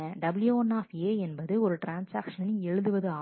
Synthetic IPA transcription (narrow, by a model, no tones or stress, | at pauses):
ɐɖɐbɪljoːnaːfeːɛnbɐðɯɔɾɯʈɾaːnsaːkʂɐnɛɻɯðɯʋɐðɯaː